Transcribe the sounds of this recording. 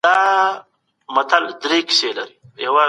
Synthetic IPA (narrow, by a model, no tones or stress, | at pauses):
d̪aː | mɐt̪ʰɐld̪ɾeːki̥selɐɾijɐwa